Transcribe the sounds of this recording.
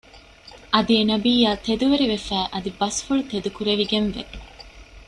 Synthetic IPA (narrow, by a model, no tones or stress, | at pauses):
ʔɐd̪ienɐbiːjaːt̪ed̪uʋeɾiʋefæːʔɐd̪ibɐsfuɭut̪ed̪ukuɾeʋiɡenʋḛ